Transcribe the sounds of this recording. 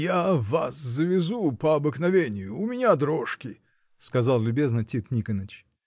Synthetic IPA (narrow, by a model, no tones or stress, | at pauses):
javaszəvʲɪzupəɐbɨknɐvʲenʲɪjʊːmʲɪnʲad̪ɾoʂkʲɪ | skɐzɑlˠlʲʊbʲe̞znətʲit̪nʲikənət͡ɕ